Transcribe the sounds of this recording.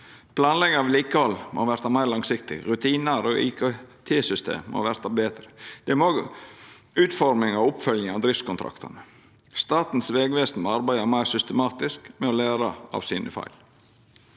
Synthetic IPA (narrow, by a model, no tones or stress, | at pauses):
pʰlɑːnlɛɡəʋɪliːkəhɔlmo̰ːʋæɾt̪ɑmæɪlɑŋsɪkt̪ɪ̰ɾʉt̪ʰiːnɑɾo̰ʔɪ̰kʰot̪ʰeːsʏst̪ʰḛːmːo̰ːʋæɾt̪ɑbeːd̪ɾəd̪̥ɛmoː | ʉːt̪fɔɾmɪŋɑʋʊpfœljəŋɑʋd̪ɾɪft̪skʊnt̪ʰɾɑ̰kt̪ɑ̰nə | st̪ɑːt̪n̩sʋeːɡʋeːsnmoɑɾbæɪd̪əmæɪɾsʏst̪əmɑːt̪ɪskmɛɔlæːɾɑʔɑ̰ʋsiːnʔəfɑ̰ɪl